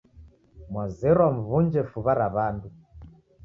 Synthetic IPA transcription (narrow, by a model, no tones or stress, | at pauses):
mwazɛɾwam̩vund͡ʒɛfuβaɾaβandu